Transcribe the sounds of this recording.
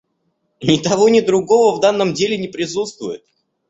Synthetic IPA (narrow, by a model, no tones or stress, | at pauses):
nʲɪt̪ɐvonʲɪd̪ɾʊɡo̞vəvd̪anːəmdʲelʲɪnʲɪpɾʲɪsut̪st̪vʊjɪt̪̚